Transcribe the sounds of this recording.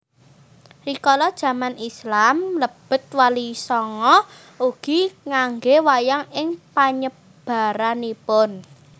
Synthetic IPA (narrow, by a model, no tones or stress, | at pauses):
rikɔlɔd̥ʒ̥ä̤manislamləb̥ə̤t̪̚walisɔŋɔ | ʔuɡ̥i̤ŋaŋɡewajaŋɪŋpaɲə | b̥a̤ɾanipʊn